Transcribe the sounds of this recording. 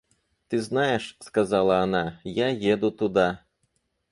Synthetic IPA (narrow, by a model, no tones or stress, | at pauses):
t̪ɨznajɛʂskɐzɑlˠɐːnajajed̪ut̪ud̪a